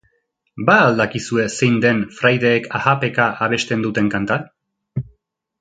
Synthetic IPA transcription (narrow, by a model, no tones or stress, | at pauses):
baːld̪akisue̞se̞jnd̪e̞nfɾajðe̞ːkʰahape̞kaʔaβ̞e̞st̪e̞nd̪ut̪e̞ŋkant̪a